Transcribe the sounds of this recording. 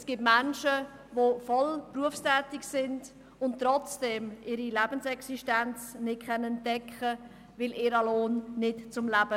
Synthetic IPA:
sɡ̥iːpmɛnʃə | vofɔlpruəfstɛːtɪksɪnd | ʊnttːɾɔt͡sd̥ɛmʔɪɾilɛb̥ənsɛksiʃtɛnt͡snɪt̚kʰɛnɛntːɛkχə | vɪlɪːɾəloːnːɪtt͡sʊmlæb̥ə

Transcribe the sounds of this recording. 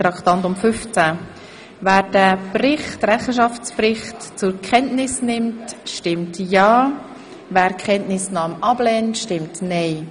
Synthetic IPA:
ɾɑkt̪ɑntʊmfʏft͡sa | væːɾd̥æbrɪχtɾɛχəʃ̬ɑft͡sprɪχtt͡sʊɾkʰɛntnɪsnɪmtʃtɪmtjɑː | væːɾkʰχɛntnɪsnɑːmɑblɛːntʃtɪmtnɛɪ

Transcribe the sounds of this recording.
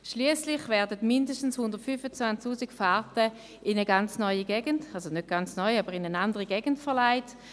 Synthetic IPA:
ʃliəslɪχvɛɐdətmɪndəstn̩shʊndəʁtfyfət͡svant͡sktuːsikfaɐtə | ʔɪnəɡant͡snɔʏəɡɛːɡəndalzonøt̚ɡ̥ant͡snɔʏaːbəʁɪnənandəʁiɡɛːɡ̥ən̩tfɛɐlaɪt

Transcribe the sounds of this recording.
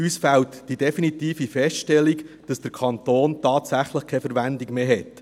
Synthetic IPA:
ysfæltd̥ideɛfinit̪iːfifɛstʃtɛlːiɡd̥ɑsd̥əɾkʰɑnt̪oːntɑːtsæχləχkʰɛfəɾʋændiɡmeːɦɛt

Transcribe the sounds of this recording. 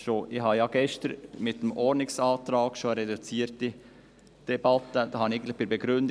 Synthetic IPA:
ʃoʔɪhɑjɑɡɛʃtəɾmɪtːəmʔɔɾnɪksɑːtɾɑːɡ̥ʃoəɾɛdut͡siːəɾti | d̥ɛb̥ɑt̪ːəd̪ɑhɑnɪɡn̩tlɪxb̥ɪɾbɛɡ̥ɾʏnd

